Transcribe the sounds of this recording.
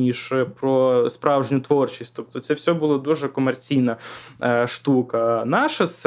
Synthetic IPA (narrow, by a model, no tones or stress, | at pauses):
nʲiʒpɾɔspɾɑwʒnʲʊt̪ʋɔrt͡ʃisʲtʲt̪ɔp̚t̪ɔt̪sɛwsʲɔbʊlˠɔd̪uʒɛkɔmert͡sʲijnɐ | ʃt̪ukɐnɑʃɐs